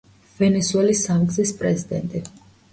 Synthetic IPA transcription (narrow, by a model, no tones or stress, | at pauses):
vɛnɛsuɛlisːamɡzispʼɾɛzid̪ɛ̰nt̪ʼi